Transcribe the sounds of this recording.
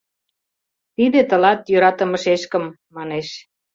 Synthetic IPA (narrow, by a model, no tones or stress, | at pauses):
t̪id̪ĕt̪ə̆lɑt̪jøɾɑt̪ə̆mə̆ʃeʃkə̆mːɑneʃ